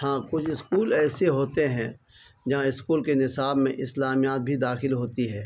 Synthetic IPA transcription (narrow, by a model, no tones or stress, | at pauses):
hãːkʊt͡ʃʰɪskuːlɛːseɦoːt̪eɦɛ̃ | d͡ʒãɪskuːlkenɪsaːbmḛ̃ʔɪslaːmijaːt̪̚bʱid̪aːxɪlɦoːt̪iɦɛː